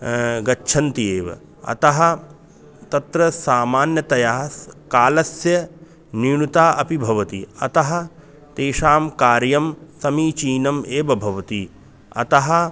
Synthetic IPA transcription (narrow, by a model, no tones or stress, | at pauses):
ɡɐtːʃʰɐnt̪ieːʋɐ̰ | ɐ̰t̪ɐɦɐ | t̪ɐt̪ɾɐsaːmaːnjɐt̪ɐjaːskaːlɐsjɐ | niːɳut̪aːʔɐpibʱɐʋɐt̪ḭɐ̰t̪ɐɦɐ̆ | t̪eːʃaːmkaːɾjɐmsɐmiːt͡ʃiːnɐmeːʋɐbʱɐʋɐt̪i | ɐ̰t̪ɐɦɐ̆